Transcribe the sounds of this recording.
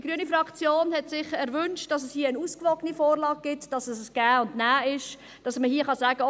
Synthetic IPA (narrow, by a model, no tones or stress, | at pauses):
diɡɾyənifɾɑkt͡sjoːnhɛtsɪχɛɾvʏnʃtd̥ɑsɛshiːənuːskvɔɡ̥ənifoːɾlɑːɡ̚ɡ̥ɪtd̥ɑsɛssɡ̥æːʊndnæːɪʃ | d̥ɑsməhiːəχɑsæːɡə